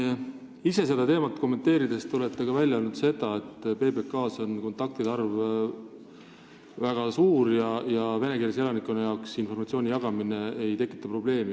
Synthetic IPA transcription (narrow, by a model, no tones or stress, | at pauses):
ise̞s̬e̞d̪̥ɑt̪e̞ːmɑt̪ːˑko̞mːe̞nt̪ːe̞ːɾid̪e̞st̪eo̞let̪ːˑeɡɑvælʲjɑo̞lnud̪̥se̞d̪̥ɑe̞t̪ːˑpe̞ːbe̞kːɑːso̞nko̞nt̪ːˑɑk̚t̪id̪ɑrv | væɡ̥ɑsuːɾjɑjɑve̞ne̞kirjɑselɑnikːˑonejɑoksinfo̞rmɑt̪sio̞ːnʲijɑɡ̥ɑmineejt̪e̞kːˑit̪ːˑɑpro̞b̥le̞ːmi